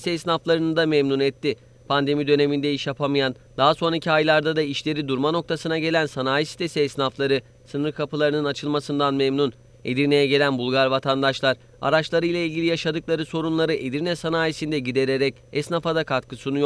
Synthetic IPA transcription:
sɛsnaflˠaɾɯnɯd̪amemnunɛt̪ʰːi | pʰand̪e̞mid̪ø̞ne̞mind̪ɛiʃjapʰamɯjan | d̪aɦaso̞nɾaicʰiajlˠaɾd̪ad̪aiʃlʲe̞ɾid̪uɾmano̞k̚t̪ʰasɯnaɟe̞lʲænsanaːjisi̥t̪ʰesɛsnaflˠaɾɯ | sɯnɯɾkʰapʰɯlˠaɾɯnɯnat͡ʃʰɯlˠmasɯnd̪anmemnun | e̞d̪iɾne̞jɛɟe̞lʲænbulˠɡaɾvat̪ʰand̪aʃlˠaɾ̥ | a̰ɾat͡ʃlˠaɾɯjlˠailʲɟʲilʲijaʃad̪ɯklˠaɾɯso̞ɾunlˠaɾɯʔe̞d̪iɾnɛsanaːjisind̪ɛɟid̪e̞ɾe̞ɾɛc̚ | ɛsnafad̪akʰat̪kʰɯsunujo

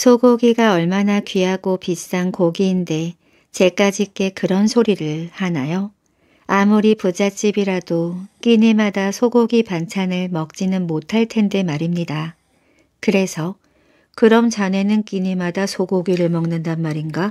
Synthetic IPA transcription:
sʰoɡoɡiɡaʌɭmanakɥiɦaɡopis͈ankoɡiːnde̞ | t͡ɕe̞k͈ad͡ʑik͈e̞kɯɾʌnsʰoɾiɾɯɭhanajo | amuɾipud͡ʑat͡ɕ͈ibiɾadok͈iɲimadasʰoɡoɡipant͡ɕʰanɯɭmʌk̚t͡ɕ͈inɯnmotʰaɭtʰe̞nde̞maɾimɲida | kɯɾe̞sʰʌ | kɯɾʌmt͡ɕane̞nɯnk͈iɲimadasʰoɡoɡiɾɯɭmʌŋnɯndanmaɾinɡa

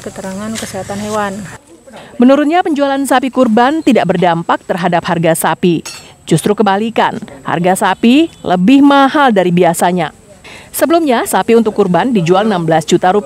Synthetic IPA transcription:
kət̪əɾaŋankəseɦat̪anɦewan | mənuɾʊt̪̚ɲapəɲd͡ʒualansapikurbant̪idaʔbərdampak̚t̪ərɦadap̚harɡasapid͡ʒust̪ɾukəmbalika̰nha̰rɡasapilə̰bɪhmaɦaldaɾibiasaɲa̰ | səbəlumɲasapiunt̪ʊkːurbandid͡ʒualnambəlasd͡ʒut̪aɾup

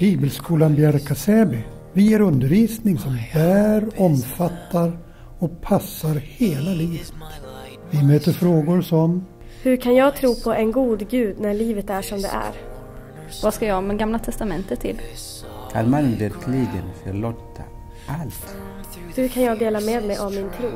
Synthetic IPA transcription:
b̥iːbəlskʰuːlanbjaɾkasɛːbɪ | vɪjeːɾɵnd̪əɾviːsnɪŋsɔmhæːɾɔmfat̪ʰːaɾ | ɔpʰasːaɾheːlaliːvətt̪ | vɪmøːt̪əɾfɾoːɡʊɾsɔm | hɵɾkʰanjɑːɡ̚t̪ʰɾuːpʰɔʔɛnɡuːd̪ɡʉ̟ːd̪næɭiːvət̪æʂɔmd̪ɛ̰ʔæ̰ɾ | vaskajɑːmɛɡamlat̪ʰɛst̪amɛnt̪ət̪ʰːɪ̰l | kʰa̰nmanvɛɾkʰliɡə̰nfœɾɭoːt̪ʰːa̰ | ʔalt̪ | hɵɾkʰanjɑːɡd̪eːlameːd̪mɛjʔavmɪnt̪ʰɾuː

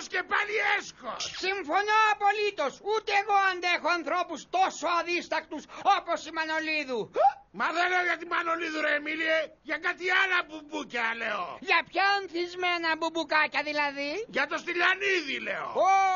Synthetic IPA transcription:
scepɐliesko̰ssiɱfo̞noɐpo̞lit̪o̞sut̪eːɣo̞ɐnd̪exoɐnθɾo̞pust̪o̞soɐðist̪ɐkt̪usopo̞simɐno̞liðumɐðeleoʝɐt̪imɐno̞liðuɾemilieʝɐkat̪ialɐbubucɐleo̰ʝɐpçɐonθizmenɐbubukɐcɐðilɐðiʝɐt̪ost̪iʎɐniðilḛo̰o

